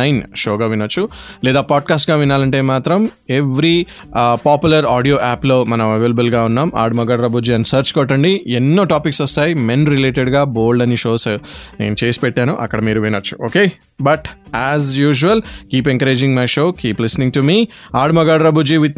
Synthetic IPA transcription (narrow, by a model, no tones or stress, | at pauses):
jnʃoːɡaːʋinɐt͡ʃːulɛːd̪aːpaːɖ̚kaːs̬ʈɡaːʋinaːlɐɳʈe̞ːmaːt̪ɾɐmeʋɾi | paːpjulɐɾaːɖijoːʔaːplo̞ːmɐnɐ̃mɐʋeːlɐbɐlɡaːunːaːma̰ːɖmɐɡaːɖɾɐbʱud͡ʒiːɐnsɐːɾt͡ʃkɔːʈːɐɳɖienːoːʈaːpiksɔst̪aːjimenɾileːʈeɖɡaːboːlɖɐniʃoːsnḛːnut͡ʃe̞ːsi̥pɛʈːaːnuʔɐ̰kːɐɽɐmiːɾuʋinɐt͡ʃːu̥oːke̞ː | bɐʈ | æːzjuːʒuʋɐlkiːpeŋkɐɾe̞ːd͡ʒiŋmɐjʃoːkiːplisnĩŋʈumiːaːɽmɐɡaːɽɾɐbʱud͡ʒiːʋit̪̚